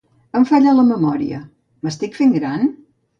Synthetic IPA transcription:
əɱfaʎələməmɔɾḭə̰ | məst̪ikfeŋɡɾan

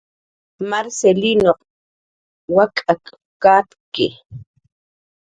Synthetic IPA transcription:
maɾselinoq | wakʼak | kat̪kɪ

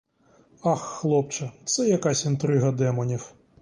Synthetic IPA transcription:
ɑxːlˠɔpt͡ʃɐt̪sɛjɐkasʲint̪ɾɪɦɐd̪ɛmɔnʲiw

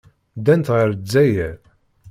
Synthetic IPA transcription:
d̪ænt̪ʁəɾzæjæɾ

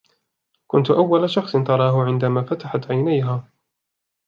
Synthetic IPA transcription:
kʊnt̪ʊʔawːalaʃɑxsˤɨnt̪ɑɾˤɑːɦʊʕɪnd̪amaːfat̪aħat̪ʕajnajɦaː

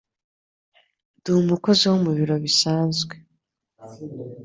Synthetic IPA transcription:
dumuko̞ziwomuβiɾo̞βisaːnzɡwe̞

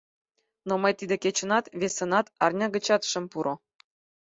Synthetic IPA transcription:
noməjt̪id̪ekʲet͡ɕə̆nɑt̪βʲesɤ̆nɑt̪ɑrnʲɑɡə̆t͡ɕɑt̪ʃə̆mpuɾŏ

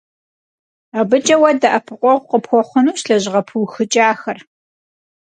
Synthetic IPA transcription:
abɨt͡ʃʼɐwɐdɐʔɐpʰɨqʷʼɔʁʷqəpxʷɔχʷʊnuːɕɬɐʑɪʁɐpʰɨwxɨt͡ʃʼaːxɐr

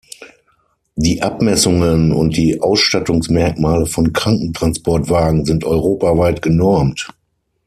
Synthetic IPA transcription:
diːʔapmɛsʊŋənʊ̰nt̚d̥iːʔaʊsʃtatʊŋsmɛɐk̚maːləfɔnkʁ̥aŋkŋ̩tʁ̥anspɔɐtv̥aːɡŋ̩zɪntʔɔʏʁoːpavaɪtɡ̥ənɔɐmt

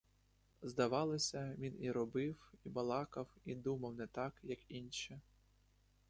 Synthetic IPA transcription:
zd̪ɐʋɑlˠɔsʲɐʋʲiniɾɔbɪwibɐlˠɑkɐwid̪umɐwnɛt̪ɑkjɐkinʃi

